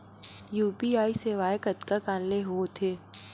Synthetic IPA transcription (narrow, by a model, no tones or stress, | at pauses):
juːpiaːiseːʋaːjɪkət̪kakaːnleɦoːt̪ʰeː